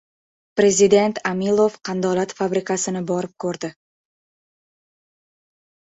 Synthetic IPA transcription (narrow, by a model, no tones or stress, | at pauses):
pɾe̞zid̪e̞nt̪amilˠovqʰɑnd̪ɒlat̪fabɾɪkasɪnɪbɒɾɪp̚kʰɵɾd̪ɪ